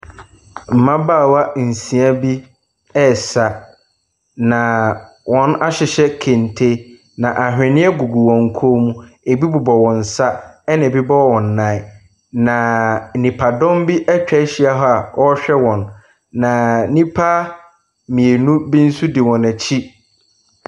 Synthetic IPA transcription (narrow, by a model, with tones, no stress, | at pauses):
m̩˨mã˦baː˦˨wa˦n̩˨sĩ˨a˦bi˦ | ɛ˦sa˨ | nã˨ | wɔ̃˨˦na˦ɕɪ˨ɕɛ˦kʰẽ˨ntʰe˦ | nã˨ʔa˨ɦᶣɪ̃˨nɪ̃˦ɛ˦ɡu˨ɡu˨wɔ̃˨ŋ̩˨kʰo˦mũ˦ | e˨bi˦bʊ˨bɔ˨wɔ̃˨n̩˨sa˦ɛ˦nã˨bi˦bɔ˦wɔ̃˨nː˨ã˦ | nã˨nĩ˨pʰa˨dɔ̃˦mbi˦ʔɛ˦t͡ɕᶣɛ˦ɕi˦a˦ɦɔ˦a˨ʔɔ˦ɕᶣɛ˦wɔ̃˨nː | ã˨˦nĩ˦pʰa˦ | mĩ˨e˨nũ˦bi˦n̩˦su˦dɪ˨wɔ̃˨næ˨t͡ɕʰi˦